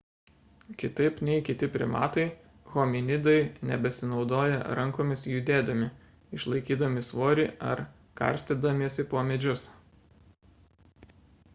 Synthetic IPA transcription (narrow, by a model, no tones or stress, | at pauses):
kʲɪt̪ɐɪpnʲɛɪkʲɪt̪ʲɪpʲɾʲɪ̰mɑ̰ːt̪ɐɪ | ɣoːmʲɪnʲɪd̪ɐɪnʲɛbʲɛsʲɪnɒʊd̪oːjɛɾɐŋkoːmʲɪsjʊd̪ʲeːd̪ɐmʲɪ | ɪʃlˠɐɪkʲiːd̪ɐmʲɪsʋoːɾʲɛɐ̰ɾ | kɐ̰ɾʲsʲt̪ʲeːd̪ɐmʲisʲɪpoːmʲɛd͡ʒʲʊs